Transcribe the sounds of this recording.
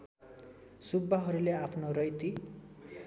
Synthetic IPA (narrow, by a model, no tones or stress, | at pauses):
subːaɦʌɾuleapʰnoɾʌjt̪i